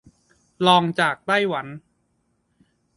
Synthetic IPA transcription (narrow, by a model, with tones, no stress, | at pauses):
lɔː˧ŋt͡ɕaː˨˩k̚t̪a˥˩jwa˩˦n